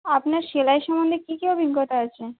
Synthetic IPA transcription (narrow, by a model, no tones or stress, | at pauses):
apnaɾʃelaeʃɔmond̪ʱekikiobʱiɡːɔt̪aat͡ɕʰe